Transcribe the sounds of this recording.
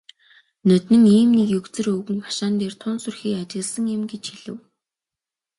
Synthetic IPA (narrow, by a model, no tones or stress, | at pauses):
nœt̪nɘ̆ŋiːmnikjɵkt͡sɘ̆rɵɣɘ̆ŋpḁʃaːnt̪eːrt̪ʰʊːnsɵrxiːkat͡ɕɪ̆ɣɮsə̆ŋjɪ̆mɡet͡ɕxiɮɘ̆w